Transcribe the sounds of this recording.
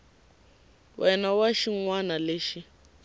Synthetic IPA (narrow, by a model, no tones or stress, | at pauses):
wʔɛnawaʃiŋwanaleʃi